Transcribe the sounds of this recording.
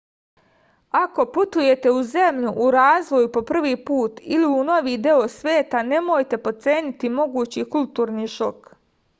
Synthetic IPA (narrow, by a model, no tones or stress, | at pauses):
ako̞put̪uje̞t̪e̞uze̞mʎuʔuɾaːzʋo̞jupo̞pr̩ʋiːpuːt̪iliuno̞ʋiːd̪eo̞sʋeːt̪ane̞mojt̪e̞po̞t̪se̞ːnit̪imo̞ɡuːt͡ɕikult̪uːɾniːʃo̞k